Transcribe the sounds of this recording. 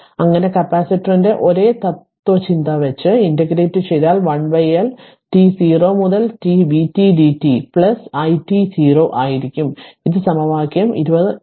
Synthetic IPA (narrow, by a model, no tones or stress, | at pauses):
ɐŋːɐne̞kɐpːaːsitːɐrinde̞ʔo̞ɾe̞ːt̪ɐt̪ː | wot͡ɕind̪ɐʋet͡ɕːɨindɐɡɾe̞ːtːɨt͡ɕejːaːlʋɐɳʋɐjɐl | ʈisiːro̞ːmuðɐltiʋitiɖitːipɭɐsɐjtisiːro̞ːʔaːjiɾikʲːumiðɨsɐmɐʋaːkjɐmḭɾubɐðɨ